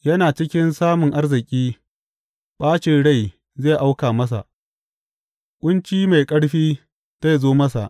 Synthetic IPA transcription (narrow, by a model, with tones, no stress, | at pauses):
jɐ˦naː˨t͡ʃɪ˦kʲɪ˦nsaː˦mʊ˨ŋʔa˦rzɪ˨kʲʼiː˦ | ɓaː˦t͡ʃɪ˨nɽa˦˨j | ze˦˨ʔa˦wkaː˨mɐ˦s̬a̰˨ʔ | kʷʼʊ˦nt͡ʃiː˦ma˨jkʼɐ˦ɽɸiː˦ | za˦zoː˦mɐ˦sa̰˨ʔ